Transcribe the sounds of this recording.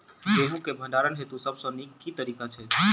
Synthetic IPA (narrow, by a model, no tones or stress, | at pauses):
t̪eɦũkebʱə̃ɳɖaɾənɦet̪ũsəbsɔ̃nikːit̪əɾiːkat͡ʃʰe